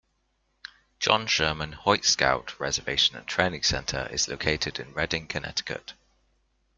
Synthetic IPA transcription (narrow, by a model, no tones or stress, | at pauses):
d̥ʒ̥ɒ̰̃nʃɜːmə̃nhɔɪtska̰ʊʔɹɛzəveɪʃə̃nə̰̃ntʰɹ̥ẽɪnɪ̃ŋsɛ̰̃ntʰə̰ɹɪ̰z̥lə̰ʊkʰeɪtʰɪdɪ̰̃nɹɛdɪ̃ŋkʰənɛ̰tɪ̥kʰə̰t